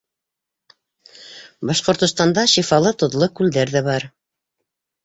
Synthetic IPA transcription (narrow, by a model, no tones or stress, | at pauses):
bɑʃqŏɾt̪ŏst̪ɑnd̪ɑʃifɑlˠɤt̪ŏðlˠokʉld̪æɾðæβɑɾ